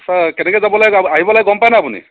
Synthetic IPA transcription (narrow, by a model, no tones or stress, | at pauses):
sakɛnɛkɛzabɔlajaɦibɔlajɡɔmpajnaːpunḭ